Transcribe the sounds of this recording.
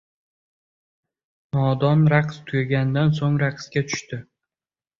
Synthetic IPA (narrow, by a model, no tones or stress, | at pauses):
nɒd̪ɒnɾaqst̪ʰʊjʲaɡʲanɪd̪ans̬oŋɾaqʰskʲat̪ʰʊ̥ʃt̪ɪ